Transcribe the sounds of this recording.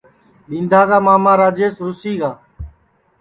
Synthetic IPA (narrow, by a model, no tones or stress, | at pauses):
ɗĩːnd̪ʱaːɡaːmaːmaːɾaːd͡ʒeːsɾʊsiːɡaː